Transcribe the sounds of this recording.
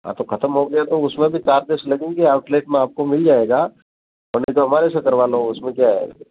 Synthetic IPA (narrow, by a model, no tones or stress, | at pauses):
ɦã̰t̪oxɐt̪əmɦoɡɐjat̪oʊsmẽbʱit͡ʃaːɾd̪eːʃlɐɡẽːŋɡeaːʊʈleːʈmẽaːp̚komɪld͡ʒaːeːɡaː | ɔːɾnet̪oɦɐmaːɾesɐkɐɾʋaːloʊsmẽkjaːɦɛ̰